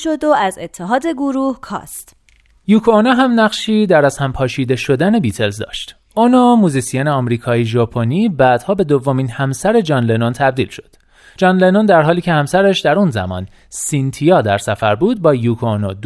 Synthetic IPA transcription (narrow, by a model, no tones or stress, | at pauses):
ʃod̪oæzet̪ʰːeɦɒːd̪e̞ɡoɾuːhkʰɒ̰ːst̪ | juːkʰoonoɦæmnæɢʃiːd̪æɾæzhæmpʰɒːʃiːd̪e̞ʃo̞d̪æne̞biːt̪ʰe̞lzd̪ɒ̰ːʃt̪ | ʔonomuːzisijoneɒːmɾiːkʰɒːiʒɒːpʰoniːbæːd̪̥hɒːbe̞d̪ovːominhæmsæɾe̞d͡ʒɒːnlenont̪ʰæb̚d̪iːlʃo̞̥d̪̥ | d͡ʒɒːnlenond̪æɾɦɒːliːcʰehæmsæɾæʃd̪æɾunzæ̰mɒ̰ːn | sint̪ʰijɒːd̪æɾsæfæɾbuːd̪̚bɒːjukʰoonod̪